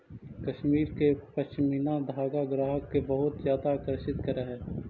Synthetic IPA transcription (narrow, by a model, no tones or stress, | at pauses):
kɐʃmiːɾkepɐst͡ʃɪmiːnad̪ʱaːɡaɡɾaːɦəkːebəɦʊt̪zjaːd̪aːkɾəʃɪt̪kɐɾaɦɛː